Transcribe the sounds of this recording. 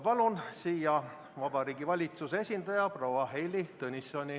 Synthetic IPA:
pɑlunsiːjɑ | vɑb̥ɑɾiːɡ̥ivɑlʲit̪susee̞sʲind̪̥ɑjɑprowɑɦejlit̪ɤnʲisonʲi

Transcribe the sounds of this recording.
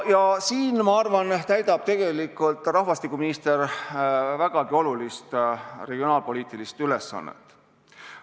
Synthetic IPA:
jɑsiːnmɑɑrvɑnt̪æjd̪ɑb̥̚t̪e̞ɡ̥e̞likːˑult̪ˑrɑhvɑst̪ikːˑuminist̪e̞r | væɡ̥ɑɡio̞lulist̪re̞ɡ̥io̞nɑːlpo̞liːt̪ˑilist̪yle̞sːɑ̰nːḛt̪ːˑ

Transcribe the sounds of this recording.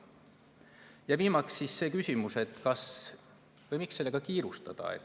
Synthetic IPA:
jɑviːmɑksːisːe̞ːkysʲimuse̞t̪ːkɑs | vɤjmikse̞lːe̞ɡ̥ɑkiːɾust̪ɑ̰d̪̥ɑ̰ḛt̪ː

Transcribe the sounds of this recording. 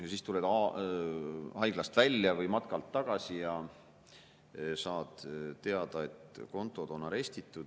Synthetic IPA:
jɑsiːst̪uled̪ɑ | hɑjɡ̥lɑst̪vælʲːjɑvɤjmɑt̪̚kɑlt̪ːɑɡ̥ɑsijɑ | sɑːd̪̥t̪ːe̞ɑd̪ɑe̞t̪ko̞nt̪ːˑo̞d̪̥o̞nɑɾe̞st̪it̪ˑːud̪̥

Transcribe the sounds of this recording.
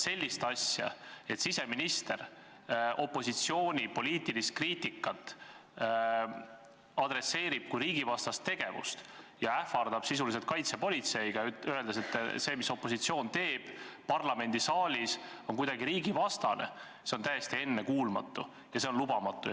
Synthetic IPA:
se̞lʲːist̪ɑsʲjɑ̰e̞t̪sise̞minist̪e̞r | ʔo̞pːˑo̞sit̪sio̞ːnʲipo̞liːt̪ilist̪̚kriːt̪ikːˑɑt̪ːˑ | ɑd̪̥re̞se̞ːɾib̥̚kujɾiːɡ̥ivɑst̪ɑst̪ːe̞ɡ̥e̞vṵst̪ | jɑæfɑrd̪ɑb̥sisulis̬et̪̚kɑjt̪se̞po̞lʲit̪se̞jiɡ̥ɑye̞ld̪eset̪ːse̞ːmiso̞pːˑo̞sit̪sio̞ːnt̪e̞ːb̥pɑrlɑme̞nd̪̥isɑːlʲiso̞nkujd̪̥ɑɡiɾiːɡivɑst̪ɑne̞̰ | se̞o̞nt̪æjest̪ie̞nːekuːlmɑ̰t̪ːˑu | jɑse̞onlubɑmɑt̪ːˑu

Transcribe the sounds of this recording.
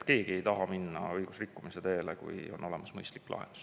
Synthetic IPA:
t̪ke̞ːɡ̥ie̞jt̪ɑɦɑminːɑ̰ɤjɡ̥usrikːumise̞t̪e̞ːlḛkṵjo̞̰no̞le̞mɑsmɤjst̪likːlʔɑ̰ɦḛn̥u̥s

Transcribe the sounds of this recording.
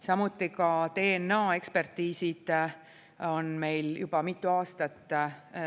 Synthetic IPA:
sɑmut̪ːˑikɑt̪e̞ːenːɑːe̞kspe̞rt̪ːiːsid̪̥ | o̞nme̞jljub̥ɑmit̪ːˑuɑːst̪ɑt̪ːˑ

